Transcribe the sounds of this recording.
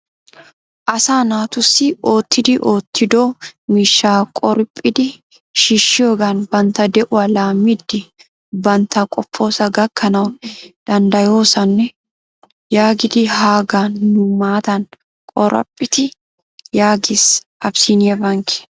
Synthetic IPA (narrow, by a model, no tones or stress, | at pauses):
ʔɐsaːnaːt̪ʊsːɪoːt̪ːɪd̪ɪʔoːt̪ʰːɪd̪oːmiːʃːaːkʼɔɾpʼːɪd̪ɪ | ʃiʃːɪoːɡaːnbɐnt̪ɐd̪ɛʔʊɐlaːmɪd̪ːɪ | bɐnt̪ʰɐkʼɔpːo̞ːsɐɡɐkːɐnɐwd̪̥ɐnd̪ɐjoːsɐnːɛ | jaːɡɪd̪ɪhaːɡaːnːʊmaːt̪ɐn | kʼɔɾɐ̰pʼːɪt̪ɪ | jaːɡɪs | ʔɐbsinɛbɐŋkɛ̥